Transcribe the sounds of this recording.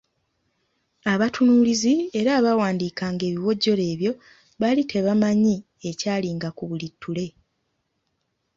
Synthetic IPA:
aβatʰunuːlizie̞ɾaːβawaːndiːkaːŋɡe̞ːβiwo̞ɟːo̞le̞ːβjo̞ | βalitʰe̞βamaɲi | e̞caːliːŋɡakuβulitːule̞

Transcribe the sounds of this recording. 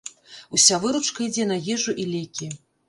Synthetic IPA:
usʲavɨɾut͡ʂkɐid͡zʲɛnɐjɛʐuʔilʲɛkʲi

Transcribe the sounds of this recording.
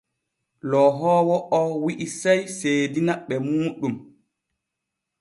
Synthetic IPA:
lɔɦɔːwɔʔɔwiʔisajseːdinaɓɛmuːɗum

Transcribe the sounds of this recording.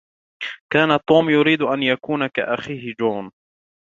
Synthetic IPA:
kaːnat̪ˤːuːmjʊɾiːd̪ʔanjakuːnaka̰ʔaxiːhɪd͡ʒoːn

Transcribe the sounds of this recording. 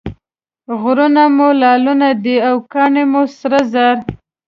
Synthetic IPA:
ɣɾunamolɑlunad̪iawkɑɳemosɾazaɾ

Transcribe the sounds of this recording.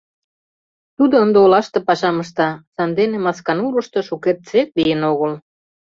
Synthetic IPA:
t̪ud̪ŏənd̪eolɑʃt̪ɤ̆pɑʃɑmə̆ʃt̪ɑsɑnd̪enemɑskɑnuɾə̆ʃt̪ɤ̆ʃukert̪̚t͡sek̚lijənoɣəl

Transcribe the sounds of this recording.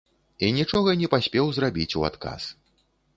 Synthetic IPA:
inʲit͡ʂɔɣɐnʲɛpasʲpʲɛwzrabʲit͡sʲua̰t̪ka̰s

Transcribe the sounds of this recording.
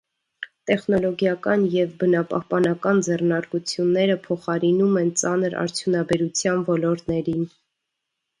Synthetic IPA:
t̪ɛχnɔlɔɡjɑkɑnjɛvbənɑpɑ̰hpɑnɑkɑnd͡zɛrnɑɾkut͡sʰjunːɛɾəpʰɔχɑɾinumɛnt͡sɑnəɾɑ̰ɾt͡sʰjunɑbɛɾut͡sʰjɑnvɔlɔɾt̪nɛɾin

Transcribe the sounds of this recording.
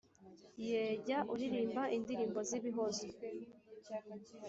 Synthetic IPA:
jeːɟaʔuɾiɾiːmbaʔindiɾiːmbo̞ziβiɦozo

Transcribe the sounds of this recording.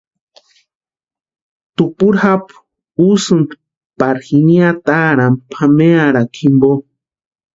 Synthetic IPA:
t̪upuɾhap | usɨnt̪ | paɾxiniat̪aɾampʰameaɾakʰimbo

